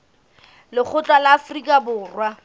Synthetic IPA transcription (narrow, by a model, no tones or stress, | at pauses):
lɪk͡xʰʊt͡ɬʼalɪːfrikʼabʊːrwa